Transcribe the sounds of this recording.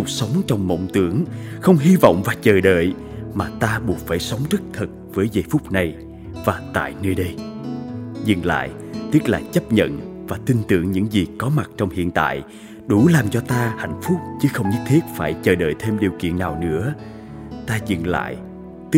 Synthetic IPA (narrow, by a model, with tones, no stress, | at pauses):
ʊ˨˩sə˨˦wŋ͡mt͡ɕɔ˧wŋ͡mmo̰˧˨wŋ͡mt̪ɨ˨˦əŋxə˧wŋ͡mɦi˧vɔ̰˧˨wŋ͡mvaː˨˩t͡ɕəː˨˩ɗə̰ː˧˨j | maː˨˩t̪aː˧ɓu˨˩ət̚faː˧˩jsə˨˦wŋ͡mzə˦˥k̚t̪ʰə˨˩t̚vəː˨˦jzə˨˩jfʊ˦˥k͡p̚na˨˩j | vaː˨˩t̪a̰ː˧˨jnəː˧jɗə˧j | zɨ̰˨˩nla̰ː˧˨j | t̪i˦˥ət̚laː˨˩t͡ɕə˦˥p̚ɲə̰˧˨n | vaː˨˩t̪i˧nt̪ɨ̰˧˨əŋɲɨ̰˧˥ŋzi˨˩kɔ˨˦ma˨˩t̚t͡ɕɔ˧wŋ͡mhḭ˧˨ənt̪a̰ː˧˨j | ɗu˧˩laː˨˩mt͡ɕɔ˧t̪aː˧ha̰˧˨jŋ̟fʊ˦˥k͡p̚t͡ɕɨ˨˦xə˧wŋ͡mɲɨ˦˥t̚t̪ʰi˦˥ət̚faː˧˩jt͡ɕəː˨˩ɗə̰ː˧˨jt̪ʰe˧mɗi˨˩əwkḭ˧˨ənːaː˨˩wnɨ̰˧˥ə | t̪aː˧zɨ̰˧˨nla̰ː˧˨j | t̪i˦˥